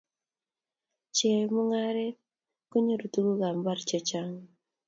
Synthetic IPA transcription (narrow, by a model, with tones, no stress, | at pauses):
t͡ʃɛ˨mu˦ŋa˦ɾɛ˦ | ko˦ɲo˦ɾu˨tu˦ɡu˦ɡa˨mba˦ɾt͡ʃɛ˨t͡ʃa˦ŋ